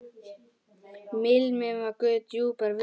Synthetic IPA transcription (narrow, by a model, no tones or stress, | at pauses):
mɪlmẽʋɐkot̪juːpəɾʋ